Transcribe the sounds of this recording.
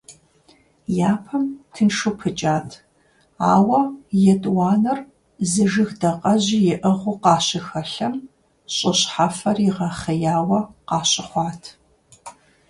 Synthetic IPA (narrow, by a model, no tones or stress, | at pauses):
jaːpʰɐmtʰɨnʂupʰɨt͡ʃʼaːtʰ | aːwɐjɛtʼwɑːnɐr | zɨʒɨxdɐqʼɐʑijɪʔɨʁʷʊqɑːɕɪxɐɬɐm | ɕʼɪɕħafɐriʁɐχɐjaːwɐqɑːɕʼɪχʷɑːtʰ